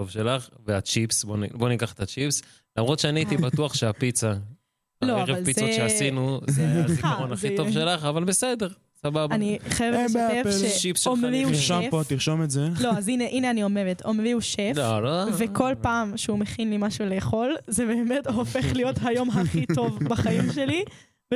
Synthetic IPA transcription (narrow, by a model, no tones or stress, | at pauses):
tovʃelaχveat͡ʃipsbonbo̞nikaχe̥t̪at͡ʃips | lamʁot̪ʃeaniait̪ibatuaχʃeapit͡sa | loeavʁealpizoʃeasinuzeaikaʁonaχitovʃe̞laχavalbesed̪e̞ʁ | sababaniχajevevʃʃipsomviuʃfotiʁʃometzeloazineʔineanio̞mevetomviuʃeloloveko̞lpaːmʃeumeχinlimaʃule̞ːχo̞lzebeːmethofeχlijo̞tɦajo̞mɦaχitovbaχaimʃeli